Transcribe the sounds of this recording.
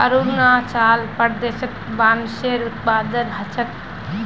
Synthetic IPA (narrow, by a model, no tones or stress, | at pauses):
əɾunat͡ʃaːlpəɾd̪esək̪baːnseɾut̪paːd̪ənɦət͡ʃʰək